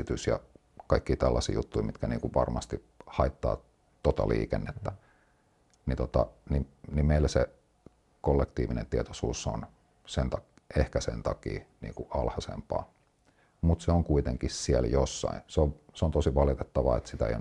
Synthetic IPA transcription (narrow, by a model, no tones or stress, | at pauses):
it̪ysjɑ̰ | kɑikːiːt̪ælːɑsḭːjut̪ːuimit̪kænḭːkuʋʋɑrmɑst̪i | hɑit̪ːɑ̰ː | t̪ot̪ɑ̰lḭːkenːet̪ːæ | nit̪ot̪ɑninimmeilːse | kolːekt̪iːʋinent̪iet̪osuːsːo̰n | sent̪ɑ | ehkæsent̪ɑkḭːnḭːŋkuʔɑlhɑsḛmpɑ̰ː | mut̪seoŋkuit̪eŋkissieljosːɑ̰ĩnseoʋseont̪osiʋɑlit̪et̪ːɑʋɑ̰et̪sit̪æḛjo